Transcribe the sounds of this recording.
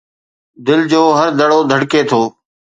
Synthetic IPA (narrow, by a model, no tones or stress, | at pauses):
d̪ɪld͡ʑoːɦəɾd̪əɽoːd̪ʱəɽkeːt̪ʰoː